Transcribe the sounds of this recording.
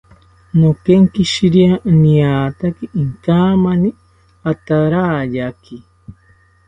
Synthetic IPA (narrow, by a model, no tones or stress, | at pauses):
nokeŋkiʃiɾianiaːt̪akiʔiŋkaːmani | at̪aɾaːjaki